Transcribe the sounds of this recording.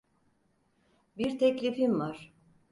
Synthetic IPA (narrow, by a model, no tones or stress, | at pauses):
biɾt̪ʰɛclʲifinvaɾ̥